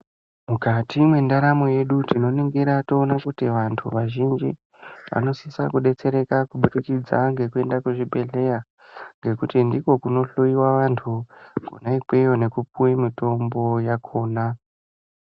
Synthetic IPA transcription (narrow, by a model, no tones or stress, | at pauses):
mukatʰimwe̞ndaɾamoje̞ɗutino̞niŋɡiɾato̞ːnakutiʋantʰṵʋaʒind͡ʒḭ | ʋʔa̰no̞sisakuɗe̞t͡se̞ɾe̞kakuɓuɾikid͡zaŋɡe̞kue̞ndakuʐibʱe̞ɮe̞ja | ŋɡe̞kutindiko̞kuno̞ɬojiwaʋantʰuɡ̥ʱo̰naipe̞jo̞ne̞kupuimito̞mbo̞jakʰo̞ːna